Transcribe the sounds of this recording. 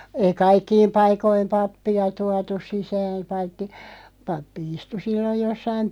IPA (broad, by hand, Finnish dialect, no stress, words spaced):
ei kɑikːiːm pɑikˑoim pɑpːiɑ tuɑtus sisæːm̆ pɑitːi pɑpːi istu silːoj̆ josːɑim